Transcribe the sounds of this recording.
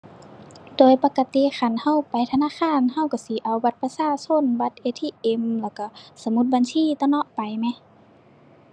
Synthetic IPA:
doː˨˦jpa˧ka˧t̪i˧˦xa˧˩nha˧˥˨wpa˨jt̪ʰa˧naː˧˥˨xaː˧˥˨nɦa˧˨wka˧˩si˨˦ʔa˨˦wba˧t̪̚pa˧saː˧˨so˧˥˨nba˧˦t̪̚ʔeː˧t̪ʰiː˧˨ʔe˧mlɛː˧˩wka˧˩sa˧˦mu˧t̪̚baː˨nsiː˧˥˨t̪ɔ˧˨nɔ˧˨ʔpa˨jmɛ˧˨

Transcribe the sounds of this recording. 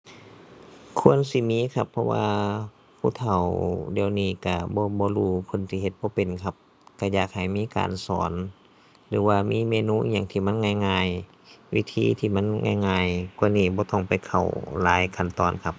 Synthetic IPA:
kʰu˧˥˨ə˨nsi˧˦miː˧˥˨kʰa˧pʰːɔ˧wa̰ː˧ | pʰuː˧˨t̪ʰa˨˩wdi˧˨ə˨wniː˧˩˨ka˧˩bɔː˧˦bɔː˧˦luː˧˩kʰo˧˥˨nsiː˧˨ɦe˧˦t̪̚bɔː˧˦pe˨nkʰa˧p̚ | ka˧˩jaː˨˩k̚ha˨˩jmiː˧˥˨ka̰ː˨nsɔ̰ː˨˦n | lɯː˨˦waː˧miː˧˥˨meː˧˨nuː˧˥˨ʔɲa˧˨ŋt̪ʰiː˧˨ma˧˥˨nŋaː˧˩jŋaː˧j | wḭ˧t̪ʰiː˧˨t̪ʰiː˧˩ma˧˥˨nŋa̰ː˧˨jŋaː˧˩jku˧˨niː˧˩bɔː˧˦t̪ɔ˧˩ŋpa˨˩jkʰa˨˩wlaː˨˦jkʰa˧˩nt̪ɔː˧˩˨nkʰa˧p̚

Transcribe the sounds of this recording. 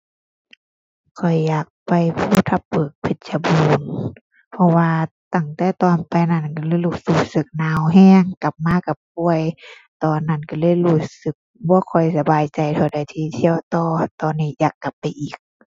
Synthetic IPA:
kʰɔ˨˩jːaː˨˩k̚pa˨jpʰuː˧˩˨t̪ʰa˧p̚bɤː˨˩k̚pʰe˧˩t̪̚sa˧buː˧n | pʰɔ˧waː˧t̪a˧˩ŋt̪ɛː˧˩t̪ɔː˨npa˧˨jna˧˩˨nka˧lɤː˧˥˨jluː˧˩suː˧˩sɯ˧˦k̚naː˧˨wɦɛː˧˥˨ŋka˨˩p̚maː˧˥˨ka˧˩p̚pu˧əj | t̪ɔː˨nːa˧˩˨nka˧lɤː˧˥˨jluː˧˩sɯ˧˦k̚bɔː˧˦kʰɔ˨˩jsa˧baː˨jt͡ɕa˧˨jt̪ʰɔ˧˩wda˧˩jt̪ʰiː˧t̪ʰi˧˨əwt̪ɔː˧˩t̪ɔː˨˩nːiː˧˩˨jaː˨˩kːa˨˩pːa˨jʔiː˨˩k̚

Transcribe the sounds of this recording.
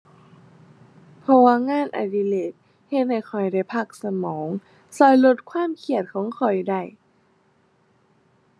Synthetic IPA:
pʰɔ˧waː˧˨ŋaː˧˥˨nʔa̰˧˩di˧˨leː˧˩t̪̚ | he˧t̪̚ha˧˩jxʰɔ˨˩jda˧˥˩jpʰa˧˩k̚sa˧mɔː˩˦ŋ | sɔː˧˩jlo˧t̪̚kʰwaː˧˥˨mkʰi˧˩ət̪̚kʰɔː˨˩˦ŋkʰɔ˨˩jda˧˩j

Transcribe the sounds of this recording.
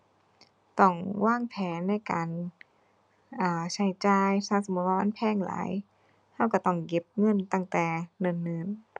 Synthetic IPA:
t̪ɔ˧˩ŋwaː˥˨ŋpʰɛː˨˦nːa˧˥˩jkaː˨n | ʔaː˨˧˩t͡ɕʰa˧˦jt͡ɕaː˧jsaː˧˩so˨˦mːu˧˥t̪̚waː˧ma˧˥˨npʰɛː˧˩˨ŋla̰ː˨˦j | ha˧˥˩wka˧˩t̪ɔ˧˩ŋke˧˦p̚ŋɤ˧˥˨nt̪a˧˥˩ŋt̪ɛː˨˩nɤ˧˩˨nːɯː˧˩n

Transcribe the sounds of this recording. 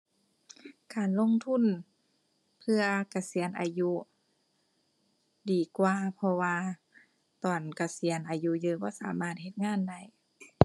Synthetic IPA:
kaː˨˩nlo˧˥˨ŋt̪ʰu˧˥˨n | pʰɯ˧ɐka˨˧˩si˨˦ənʔa̰ː˨ju˧˥ | diː˨˩kwaː˧pʰɔ˧waː˧ | t̪ɔː˨˩nka˨˧˩si˨˩˦ənʔaː˨˩ju˧jɯː˧bɔː˧˥˨saː˨˦maː˧˩t̪̚he˧t̪̚ŋaː˧˥˨nda˧˩˨j

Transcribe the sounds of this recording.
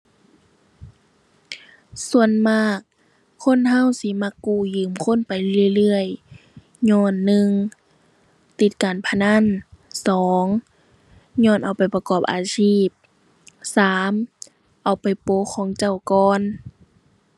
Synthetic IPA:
su˧˨ənmaː˧˩kʰː | o˧˥˨nɦa˧˥˨wsi˧˦ma˧kːuː˧˩jɯː˨˦mkʰo˧˥˨npa˨jlɯ˧˩ə˨jlɯ˧əj | ɲɔː˧˥˨nːɯ˧ŋ | t̪i˧˦t̪̚kaː˨˩npʰa˧na˧˥˨nsɔː˨˦ŋ | ɲɔː˧˥˨nʔa˨˩wpa˨jpa˧kɔː˧˩p̚ʔa̰ː˨˩siː˧˥˩p̚ | saː˨˦m | ʔa˨˩wpa˨jpoː˧˦kʰɔː˧˦ŋt͡ɕa˧˩wkɔː˧n

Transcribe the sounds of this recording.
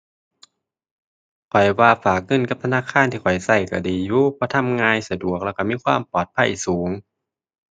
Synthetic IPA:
kʰɔ˨˩jwaː˧˩faː˨˩k̚ŋɤ˧˥˨nka˧˥p̚t̪ʰa˧naː˧˥˨kʰaː˧˨nt̪ʰiː˧˩kʰɔ˨˩jsa˧˩jka˧˩diː˨˩juː˧pʰɔː˧˥˦t̪ʰa˧˥˨mŋaː˧jsa˧du˨˩ək̚lɛ˧˩ka˧˩miː˧˥˨kʰwaː˧˥˨mpɔː˨˩t̪̚pʰa˧˥˩jsuː˩˦ŋ

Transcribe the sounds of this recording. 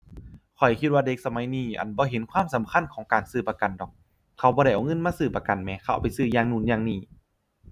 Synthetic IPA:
kʰɔ˨˩jkʰi˧t̪̚waː˧de˧˦k̚sa˧ma˨˦jniː˧˩ʔa̰˨˩nbɔː˧˦ɦe˨˦nkʰwaː˧˥˨msa˨˦mkʰa˧˥˨nkʰɔː˩˦ŋkaː˨˩nsɯː˧˩pa˧ka˨˩ndɔ˨˩k̚ | kʰːa˧˩wbɔː˧ɾa˧˩jʔɔː˨˧˩ŋɤ˧˥˨nmaː˧˥˨sɯː˧˩pa˧ka˨˩nmɛː˧kʰa˧˩˨pa˨jsɯː˧˩jaː˧ŋnuː˧˩njaː˧˨ŋniː˧˩

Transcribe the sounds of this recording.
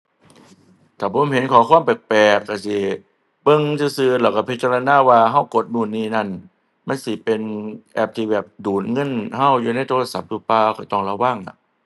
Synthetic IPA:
t̪ʰaː˨˩pʰo˨˦mhe˨˦nkʰɔː˨˦kʰu˧˥ə˨mpɛ˨˩k̚pɛː˨˩kːa˧˩si˧˩ | pɤ˧˨ŋsiː˧sɯː˧lɛː˧˩wkaː˧˩pʰi˦˥t̪̚t͡ɕa˧la˧naː˧˥˨waː˧ɦa˧˩wko˨˧˦t̪̚muː˧˩˨nːiː˧˩na˧˩˨n | ma˧˥˨nsi˧˦pe˧nʔɛː˧˩p̚t̪ʰiː˧˩bɛː˨˩p̚duː˨˩t̪̚ŋɤ˧˥˨nha˧˥˩wjuː˨na˧˥˨jt̪ʰoː˧la˧sa˨˦p̚duː˧˩paː˧kʰɔ˨˩jt̪ɔ˧˩ŋla˧waː˧˥˩ŋna˧˩ʔ

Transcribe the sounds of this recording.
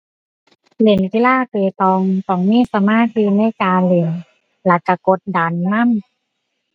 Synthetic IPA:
le˨˩˦nki˧˦laː˥˩t̪eː˧t̪ɔː˧ŋt̪ɔ˧˩ŋmiː˧˥˨sa˧˦maː˧˥˨t̪̚jɯː˧na˧˥˩kaː˧le˨˩˦n | la˨˧˦ka˧˩ko˧˦t̪̚da˨˦nːa˥˩˨m

